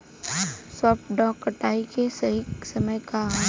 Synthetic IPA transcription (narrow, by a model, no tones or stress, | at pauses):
sɔːp̚ʈɖɔ̃ːkːəʈaːikesɐɦisɐməjka